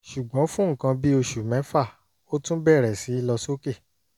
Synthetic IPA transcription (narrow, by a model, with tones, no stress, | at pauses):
ʃu˨ɡ͡bɔ̃˨˦fũ˦ŋ̩˨kã˧bi˦o˧ʃu˨mɛ̃˨˦fa˦˨ | o˦tũ˦bɛ˦˨ɾɛ˨si˨˦i˦lɔ˧so˦ke˦˨